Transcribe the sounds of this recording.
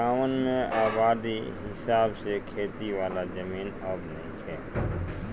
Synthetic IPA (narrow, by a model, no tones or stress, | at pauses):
aːʋənmẽʔaːbaːd̪iɦɪsaːbsekʰeːt̪iʋaːlad͡ʒəmiːnəbnəɦĩkʰɛː